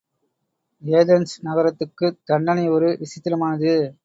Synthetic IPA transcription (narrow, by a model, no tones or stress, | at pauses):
eːðɐnsnɐɣɐɾɐt̪ːɯkːɯd̪̥ɐɳɖɐnɐɪɔɾɯʋɪsɪt̪ːɪlɐmaːnɐðɯ